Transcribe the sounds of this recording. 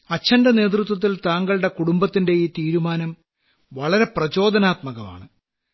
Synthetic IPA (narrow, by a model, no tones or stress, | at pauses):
ɐt͡ɕːɐndɐne̞ːt̪̬rut̪wɐt̪̬ːilt̪aːŋɡɐɭɽe̞kuɽumbɐt̪ːinde̞jit̪iːɾumaːnɐm | ʋɐɭɐɾe̞prɐt͡ɕo̞ːd̪ʱɐnaːt̪mɐɣɐma̰ːɳɨ